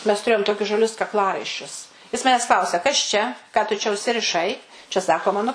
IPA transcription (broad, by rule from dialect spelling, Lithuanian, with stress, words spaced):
mʲɛs tʊˈrʲeːjoːm ˈtoːkʲʊs ʒɐˈlʲʊs kɐkˈlˠɑːrɐɪʃʲt͡ʃʲʊs jɪs ˈmɑːnʲɛs ˈklˠɐʊsʲɛ kɐs ˈt͡ʃʲɛ ˈkɑː tʊ t͡ʃʲɛ ʊʃʲsʲɪrʲɪˈʃɐɪ t͡ʃʲɛ ˈsɑːkoː ˈmɑːnʊ